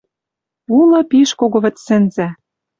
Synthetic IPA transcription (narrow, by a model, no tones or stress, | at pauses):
ulɤ̆piʃkoɣŏβɘ̆tsɘ̆nzæ